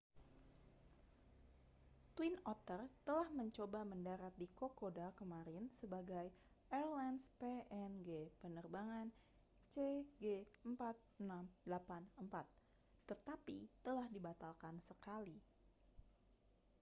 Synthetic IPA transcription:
t̪winɔt̪ərt̪əlahməɲt͡ʃobaməndaɾat̪̚dikokodakəmaɾɪnsəbaɡaj | ʔɛrlanspeʔɛnɡepənərbaŋan | t͡ʃeɡeəmpat̪̚namdəlapanəmpat̪ː | ət̪apḭt̪əlahdibat̪alkansəkali

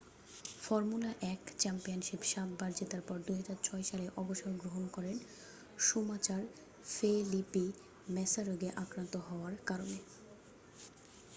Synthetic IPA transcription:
fɔɾmulaʔɛkt͡ɕɛmpionʃipʃat̪̚baɾd͡ʑet̪aɾpɔɾd̪uɦad͡ʑaɾt͡ɕʰɔeʃaleʔɔboʃoɾɡɾoɦonkɔɾen | ʃumat͡ɕaɾ | felipi | mɛsaɾoɡeʔakɾant̪oɦɔoaɾkaɾone

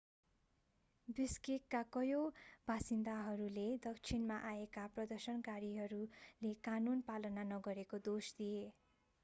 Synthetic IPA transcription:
biskikkakʌjobʱasind̪aɦʌɾuled̪ʌkt͡sʰinmaʔaekaprʌd̪ʌrsʌnkaɾiɦʌɾulekanunpalʌnanʌɡʌɾekod̪osd̪ije

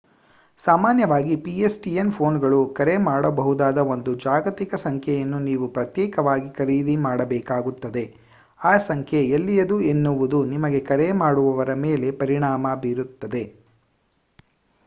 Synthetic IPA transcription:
saːmaːnjɐʋaːɡipiesʈienpʰo̞ːnɡɐɭukɐɾe̞maːɽɐbɐɦud̪aːd̪ɐo̞nd̪ud͡ʒaːɡɐt̪ikɐsɐŋkʰjɛjɐnːuniːʋupɾɐt̪jɛːkɐʋaːɡikɐɾiːd̪imaːɽɐbɛːkaːɡut̪ːɐd̪e̞ | aːsɐŋkʰjeelːijɐd̪uenːuʋud̪unimɐɡe̞kɐɾe̞maːɽuʋɐʋɐɾɐmeːle̞pɐɾiɳaːmɐbiːɾut̪ːɐd̪e̞

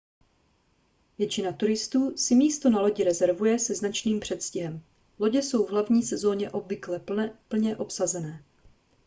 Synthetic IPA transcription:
vjɛt͡ʃɪnat̪uɾɪst̪uːsɪmiːst̪o̞nalo̞ɟɪɾɛzɛɾvujɛsɛznat͡ʃniːmpr̝̥ɛt̪scɪɦɛm | lo̞ɟɛso̞wvɦlavɲiːsɛzo̞ɲɛʔo̞bvɪklɛpl̩ɲɛʔo̞psazɛnɛː

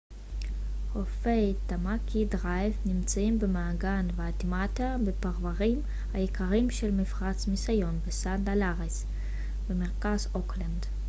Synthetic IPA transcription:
hofejtamakʰidʁajfnimt͡saimbemaːɡanveat̪imat̪abepaʁvaʁim | hajekaʁimʃelmifʁat͡smisajo̞nbesandalaʁis | b̥emeʁkazokland

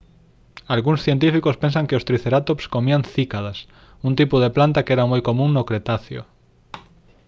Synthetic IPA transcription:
alɣuŋsθjent̪̬ifikʊspẽnsaŋkeʊst̪ɾiθeɾat̪opskomiaŋθikaðas | unt̪ipʊðeplant̪akɛɾamojkomũŋnokɾet̪aθjo̰

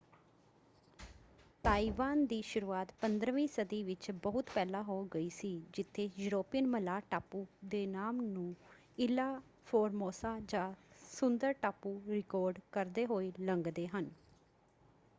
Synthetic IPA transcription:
t̪aːiːʋaːnd̪iːʃʊɾuːaːt̪pənd̪ɾʋĩːsəd̪iːʋɪt͡ʃbəɦʊt̪pɛːlaːɦoːɡəiːsiːd͡ʒɪt̪ʰːeːjʊɾoːpɪjənməlaːʈaːpuːd̪eːnaːmnũː | ɪlaː | pʰoːɾmoːsaːd͡ʒãːsʊnd̪əɾʈaːpuːɾɪkɔːɾɖkəɾd̪eːɦoːeːləŋɡd̪eːɦən

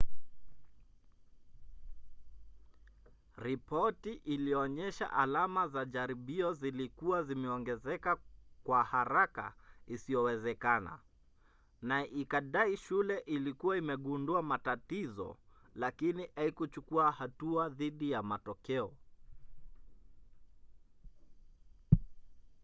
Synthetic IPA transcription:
ɾipɔtiʔiliɔɲɛʃa̰ʔalamazaʄaɾiɓiɔzilikuwazimɛɔŋɡɛzɛkakwahaɾaka̰isiɔwɛzɛkana̰ | naɛʔikaɗaiʃulɛʔilikuwaimɛɠunduamatatizɔ̰lakiniʔaikut͡ʃukuahatuaðiɗijamatɔkɛɔ

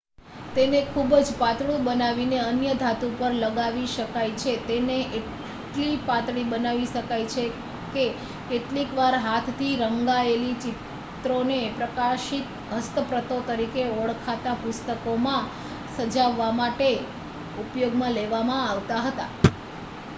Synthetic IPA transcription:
t̪enekʰubd͡ʒpat̪ɭũbənaʋineənjəd̪ʱat̪upəɾləɡaʋiʃəkajt͡ʃʰet̪eneʔeʈ | ʈlipat̪ɭibənaʋiʃəkajt͡ʃʰe | ke | keʈlikʋaɾɦat̪ʰt̪ʰiɾəŋɡaelit͡ʃɪt̪ | ɾonepɾəkaʃit̪ | ɦəst̪əpɾət̪ot̪əɾikeɔɭkʰat̪apʊst̪əkomã | səd͡ʒaʋːamaʈe | upjoɡmãleʋamãaʋt̪aɦət̪a̰

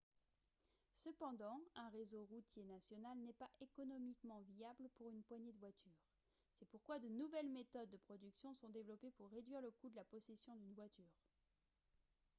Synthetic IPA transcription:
səpɑ̃d̪ɑ̃ɛ̃ʁezoʁut̪jenasjɔnalnɛpaʔekɔnɔmikmɑ̃viabləpuʁynpwaɲed̪əvwat̪ʰyːʁ | sɛpuʁkwad̪ənuvɛlmet̪ɔd̪̚ːəpχɔd̪yksjɔ̃sɔ̃d̪evlɔpepuʁːed̪ɥiʁləkud̪əlapɔsesjɔ̃d̪ynvwat̪yːʁ

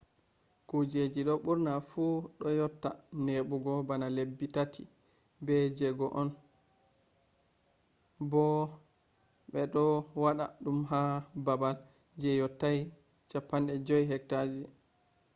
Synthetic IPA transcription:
kud͡ʒed͡ʒiɗɔɓuɾnafuɗɔjɔtːa̰neɓuɡɔbanalebːitatʰḭ | bɛd͡ʒɛɡɔʔɔn | bɔ | ɓɛɗɔwaɗa̰ɗumɦababal | d͡ʒɛjɔtːaj | t͡ʃapːanɗɛd͡ʒɔjɦɛk̚tad͡ʒi

